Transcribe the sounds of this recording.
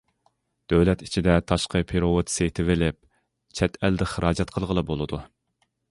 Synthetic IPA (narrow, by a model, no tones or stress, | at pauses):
d̪̥øwlɛt̪i̥t͡ʃʰid̪ɛt̪ʰɑʃqəpʰeɾoot̪sejt̪ʰɪvɪlɪp̚ | t͡ʃʰɛt̪ʰɛld̪ɪχəɾʔɑːd͡ʒɛt̪qʰəlˠʁəlˠɨbolˠɨd̪u